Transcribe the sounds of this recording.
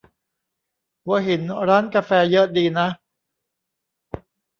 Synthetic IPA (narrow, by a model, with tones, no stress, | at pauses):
pʰu˨˩˦əɦi˩˦nɾaː˦˥nkaː˧fɛː˧jɤ˦˥diː˧na˦˥ʔ